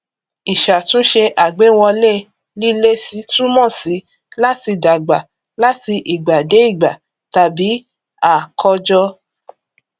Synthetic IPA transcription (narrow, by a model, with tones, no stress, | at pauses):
i˨ʃa˨tũ˨˦ʃe˧ʔa˨ɡ͡be˨˦w̃ɔ˧le˦˨ | li˦le˦si˦tũ˦mɔ̃˦˨si˨˦ | la˦ti˧da˨ɡ͡ba˨ | la˦ti˧ʔi˨ɡ͡ba˨de˨˦i˦˨ɡ͡ba˨ | ta˨bi˨˦ | a˦˨kʰɔ˧d͡ʒɔ˧